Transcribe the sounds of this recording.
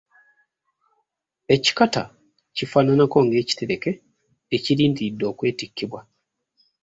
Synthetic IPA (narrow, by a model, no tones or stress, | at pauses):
e̞ci̥kata | cifaːnanako̞ŋɡe̞ːci̥te̞ɾe̞ke̞ː | ciɾiːndidːo̞ːkwe̞ːtikʰːiβwa